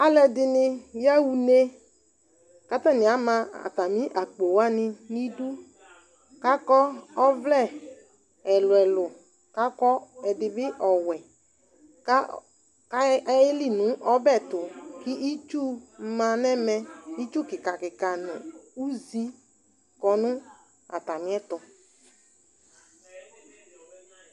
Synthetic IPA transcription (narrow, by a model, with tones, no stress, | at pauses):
a˨lɛ˨dɪ˨nɪ˦ja˦wu˨ne˦ | ka˦ta˦˨nɪ̃˨a˨˦mã˧a̰˨ta˨mĩ˦ʔa˨k͡po˨wa˦nɪ˧ni˦du˦ | ka˦kɔ˦ɔ˦vlɛ˦˨ | ɛ˨lʊ˨ɛ˨lʊ˨ | ka˦kɔ˦ɛ˨dɪ˨bɪ˦ʔɔ˨wɛ˨˦ | ke˦li˦˨nʊ̃˨˦ʔɔ˦bɛ˦˨tʊ˨kɪ˦ʔi˦t͡ʃu˦˨˦mã˧nɛ˦mɛ˧i˦t͡ʃu˦˨kɪ˨ka˨kɪ˨ka˨nʊ̰̃˨u˦zi˦ | kɔ˧nʊ̃˦ | a̰˨ta˨mɪ̃˨˦ɛ˦tɔ˧